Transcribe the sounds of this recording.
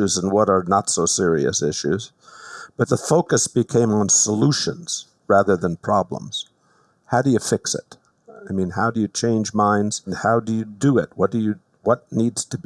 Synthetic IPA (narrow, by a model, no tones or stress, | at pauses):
ʉzə̃nwʌɾə˞nətsoʊsɪɹiɨ̰sɪʃʉ̰z | b̥ʌt̪̚ðəfoʊkɨsb̥ɨkʰẽɪ̃mə̃nsəluʃɨ̰̃nz̥ | ɹæðə˞ðə̃npʰɹ̥ɑblə̰̃mz̥ | haʊɾɨjɨfɪksɪ̰t̚ | aɪmĩnɦaʊdɨjɨt͡ʃʰẽɪ̃nd͡ʒmãɪ̃ndz̥n̩haʊdɨjɨdɨɪt̚wʌt̚d̥ɨjɨ | wʌtⁿnidz̥tʰɨb